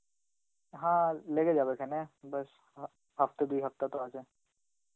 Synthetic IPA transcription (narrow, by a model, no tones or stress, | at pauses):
ɦãːleːɡed͡ʒaːbekʰɛnẽbɐs | hɐft̪ed̪uiɦɐft̪at̪oasẽ